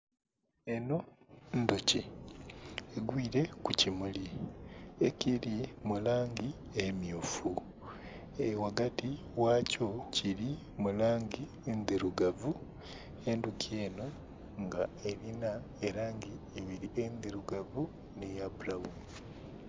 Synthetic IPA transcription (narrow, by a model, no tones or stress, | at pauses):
eno̞ndoci | eɡwiːɾe̞kucimuli | ecilimulaːŋɡi | emjufu | ewaɡati | waːcociɾi | mulaːŋɟi | end̪iɾuɡavu | endukʰje̞ːno̞ | ŋɡaelina | eɾaːŋɡi | eβiɾiʔend̪eɾuɡavu | nijabulahumi